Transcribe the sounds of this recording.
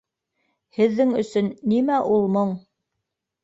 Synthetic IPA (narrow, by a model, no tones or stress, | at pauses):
hɘ̆ðːɘŋɵ̆sɵnːimæʔulˠmoɴ